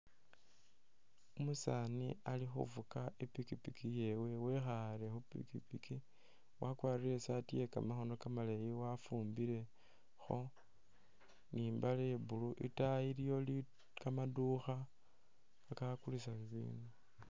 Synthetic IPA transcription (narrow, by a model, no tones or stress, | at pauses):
umusanḭalixṵvukaepikipikije̞we̞we̞xaɾe̞xupḭkipiki | wakwaːɾiɾesatije̞ka̰maxonokamalejiwafuːmbiɾe̞ | xo̞ | niːmbaleβuluʔḭtaiɾijo̞li | kamaduxaː | kakulisaβiβḭːnu